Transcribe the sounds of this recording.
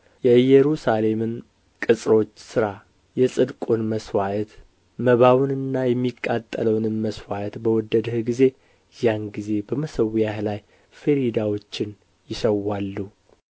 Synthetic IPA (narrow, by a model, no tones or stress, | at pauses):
jɛɨjɛɾusale̞mɨn | kʼɨsʼɾo̞t͡ʃːsɨɾa | jɛsʼɨd̪kʼunməswaʔt̪ | məβawnɨnːajɛmːikʼːat̪ʼːələwnɨnməswaʔət̪bəwɔd̪ːəd̪əhɡize̞ | janɡize̞bəməsəwjahlaj | fəɾid̪awot͡ʃːɪn | jɪsəwːalːu